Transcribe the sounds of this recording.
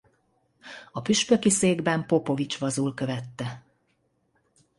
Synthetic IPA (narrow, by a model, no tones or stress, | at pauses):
ɒpyʃpø̞kiseːɡbɛmpo̞po̞vit͡ʃʋɒzuːlkø̞vɛt̪ːɛ